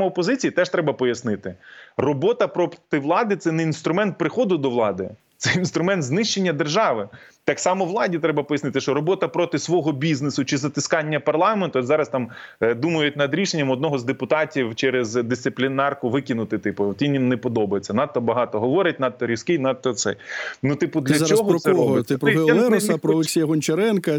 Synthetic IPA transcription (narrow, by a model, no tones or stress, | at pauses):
mɔɔpɔzɪt͡sʲijit̪ɛʃt̪ɾɛbɐpɔjɐsnɪt̪ɪrɔbɔt̪ɐpɾɔt̪ɪʋlˠɑd̪ɪt̪sɛnɛinst̪ɾʊmɛnt̪̚pɾɪxɔd̪ʊd̪ɔʋlˠɑd̪ɪ | t̪sɛinst̪ɾʊmɛnt̪znɪʃt͡ʃe̞nʲːɐd̪erʒɑʋɪt̪ɑksɑmɔʋlˠɑdʲit̪ɾɛbɐpɔjɐsnɪt̪ɪʃt͡ʃɔɾɔbɔt̪ɐpɾɔt̪ɪsʋɔɦɔbʲiznesʊt͡ʃɪzɐt̪ɪskɑnʲːɐpɐrlˠɑment̪ʊɔzɑɾɐst̪ɑmd̪umɐjʊt̚ʲnɐd̪ɾʲiʃenʲːɐmɔd̪nɔɦɔzd̪epʊt̪ɑtʲiwt͡ʃɛɾezd̪ɪst̪sɪplʲinɑrkʊʋɪkʲɪnʊt̪ɪt̪ɪpʊt̪ʋʲinjinːepɔd̪ɔbɐjet͡sʲːɐnɑt̪ːɔbɐɦɑt̪ɔɦɔʋɔɾɪt̚ʲnɐd̪̚t̪ːɔɾʲiskɪjnɐt̪̚t̪ːɔt̪sɛ̰jnut̪ɪpʊd̪lʲɐt͡ʃɔɦɔɛɾɔt̪ɪpɛsɐpɾɔlˠeksʲijɐɦɔnʲt͡ʃɐɾɛnkɐ